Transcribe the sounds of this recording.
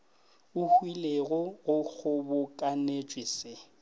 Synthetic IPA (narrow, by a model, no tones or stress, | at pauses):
ʊhwileɣɔʊk͡xʰʊbʊkʼanet͡ʃʼwisɪ